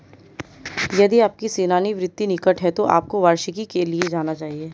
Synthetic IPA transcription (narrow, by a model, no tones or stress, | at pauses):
jɐd̪iaːp̚kiseːnaːniʋɾɪd̪ːinɪkəʈɦɛt̪oʔa̰ːp̚koʋaːɾʃəkikelied͡ʒaːnat͡ʃaːɦieː